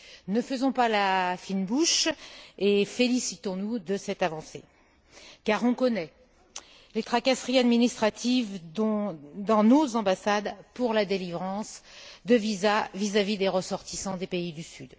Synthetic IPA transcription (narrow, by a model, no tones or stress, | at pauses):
nəfəzɔ̃palafinbuʃ | efelisit̪ɔ̃nud̪əsɛt̪avɑ̃se | kaʁɔ̃kɔnɛ | let̪χakasχiad̪minist̪χat̪ʰiv | d̪ɑ̃nozɑ̃basad̪puʁlad̪elivʁɑ̃sd̪əvizavizavid̪eʁəsɔʁt̪isɑ̃d̪epeid̪ysyd̪